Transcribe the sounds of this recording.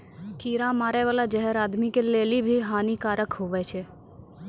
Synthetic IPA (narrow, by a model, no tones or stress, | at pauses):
kiːɾãmaːɾeʋaːlad͡ʒəɦɛɾaːd̪mikeleːlibʱiɦaːnikaːɾəkɦoʋɛt͡ʃʰe